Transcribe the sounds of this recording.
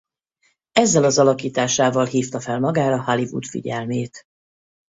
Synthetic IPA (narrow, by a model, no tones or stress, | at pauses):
ɛzːɛlɒzɒlɒkiːt̪aːʃaːvɒlɦiːft̪ɒfɛlmɒɡaːɾɒhɒlivṵt̪fḭɟɛlmeːt̪